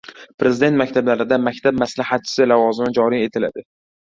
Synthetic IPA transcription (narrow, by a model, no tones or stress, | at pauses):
pʰɾe̞zɪd̪et̪makʲt̪ʰablaɾɪd̪amakʲt̪ʰab̚maslahat̪̚t͡ʃʰɪ̥sɪlavɒzɪmɪd͡ʒɒɾije̞t̪ʰɪla̰d̪ɪ